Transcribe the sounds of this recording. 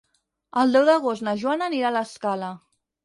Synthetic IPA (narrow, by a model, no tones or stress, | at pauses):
əlˠd̪ɛwðəɣ̞ost̪nəʒwanəniɾaləskalə